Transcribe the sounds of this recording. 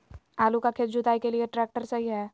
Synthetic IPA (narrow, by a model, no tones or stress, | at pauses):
aːlukakʰet̪̚d͡ʒʊt̪aːikelieʈɾɛːk̚ʈəɾsɐɦiɦɛː